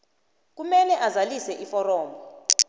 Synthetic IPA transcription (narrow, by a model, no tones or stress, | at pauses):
k̬umɛlɛʔazalisɛʔifɔrɔːmbɔ